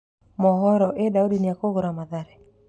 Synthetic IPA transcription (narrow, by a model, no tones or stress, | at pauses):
mɔɦɔɾɔʔedaudinjakoɡʊɾamaðaɾɛ